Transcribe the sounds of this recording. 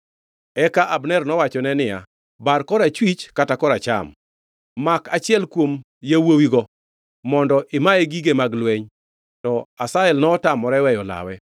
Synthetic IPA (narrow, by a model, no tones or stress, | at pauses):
ɛkaʔabnɛrnɔwat͡ʃɔnɛnɪja̰ | barkɔɾat͡ʃwit͡ʃkatakɔɾat͡ʃa̰mː | akat͡ʃɪɛlkwom | jawowiɡɔ | mɔndɔʔɪmaɛɡiɡemaɡlweɲ | tɔasaɛlnɔːtamɔɾɛwɛjɔla̰wɛ